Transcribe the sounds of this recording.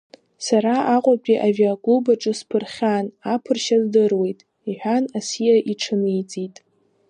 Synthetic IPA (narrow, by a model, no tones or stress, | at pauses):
saɾaaqʷʼapʼʲiʔaviaɡʼubaʈ͡ʂʼɨspʰɨrχʲanapʰɨrʃazdɨrwe̞jtʼ | iħʷᶣanasijaʔiʈ͡ʂʰɨnijt͡sʼitʼ